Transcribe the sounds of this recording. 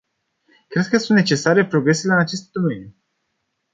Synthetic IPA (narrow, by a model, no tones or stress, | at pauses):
kɾe̞d̪̚kəsũnt̪ne̞t͡ʃe̞saɾe̞pɾo̞ɡɾe̞seleɨnat͡ʃe̞st̪̚d̪o̞me̞nju